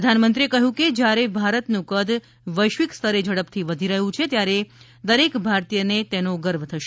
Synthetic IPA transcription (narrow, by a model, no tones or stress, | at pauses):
əd̪ʱanmənt̪ɾiekəɦũked͡ʒjaɾebʱaɾət̪nũkəd̪ | ʋəjʃʋikst̪ʰəɾed͡ʒəɽəpt̪ʰiʋəd̪ʱiɾəɦũt͡ʃʰet̪jaɾe | d̪əɾekbʱaɾt̪ijənet̪enoɡəɾʋət̪ʰəʃ